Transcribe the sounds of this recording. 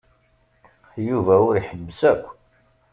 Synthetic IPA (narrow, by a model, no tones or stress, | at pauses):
juvæʊɾiħəbːəsækʷː